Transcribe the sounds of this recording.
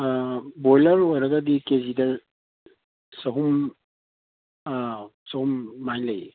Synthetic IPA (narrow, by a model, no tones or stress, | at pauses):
bɔjlɐɾojɾɐɡɐdikezidɐ | sɐɦum | sɐhumːajlɐj